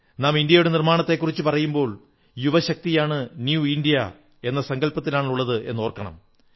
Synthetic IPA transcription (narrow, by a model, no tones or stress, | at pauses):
naːmind̪ijɐjuɽe̞nirmaːɳɐt̪ːe̞kːurit͡ɕːɨpɐrɐjumbo̞ːɭ | juʋɐɕɐk̚t̪ijaːɳɨnjuindijɐ | e̞nːɐsɐŋɡɐlpɐt̪ːilaːɳuɭːɐðɨʔe̞̰nːo̞ːrkːɐɳɐ̰m